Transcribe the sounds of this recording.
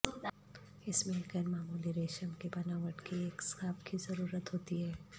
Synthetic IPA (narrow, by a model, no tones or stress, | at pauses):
ɪsmɪ̃kəɾmaːmuːliɾeːʃəmkebɐnaːʋəʈkieːkskaːbkizɐɾuːɾət̪ɦoːt̪iɦɛː